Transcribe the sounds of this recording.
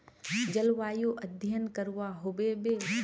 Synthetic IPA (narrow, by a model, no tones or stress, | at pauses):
d͡ʒəlʋaːjoʔɐd̪ʱjənkəɾʋaɦʊbebe